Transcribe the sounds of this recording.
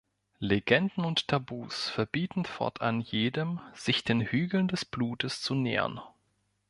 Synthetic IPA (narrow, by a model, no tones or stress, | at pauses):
leɡɛndn̩ʊnttʰabuːsfɛɐbiːtn̩fɔ̰ɐtʰʔa̰njeːdəmz̥ɪçd̥eːnhyːɡl̩ndɛsb̥luːtəst͡sunḛːɐ̰n